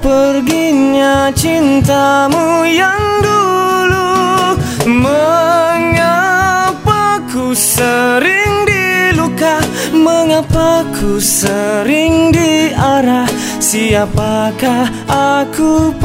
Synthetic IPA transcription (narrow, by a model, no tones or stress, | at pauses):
pərɡiɲa | t͡ʃint̪amujaŋdulu | məŋapakusəɾiŋdiluka | məŋapakʰusəɾɪŋdiaɾah | siapaka | akup